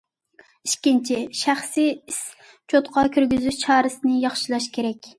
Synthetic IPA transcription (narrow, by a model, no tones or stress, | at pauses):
iʃkʲint͡ʃʰiʃæχsiis | t͡ʃʰot̪qʰɑkʲʰyɾɡʲyzyʃt͡ʃʰɑːɾɨsɨnɪjɑχʃilˠɑʃkʲʰeɾɛkʲ